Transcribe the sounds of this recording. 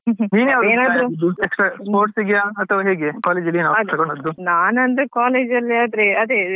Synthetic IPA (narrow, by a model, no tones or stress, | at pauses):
niːneɐʋeːnaːd̪ɾud̪ueksʈɾaspoːɾʈsiɡijaːɐt̪ʰːɐʋaːɦeːɡekaːled͡ʒɐlːinaːʋd̪t̪ɐkoɳɖɐd̪ːunaːnɐnd̪ekaːleːd͡ʒɐlːiɐd̪ɾeɐd̪e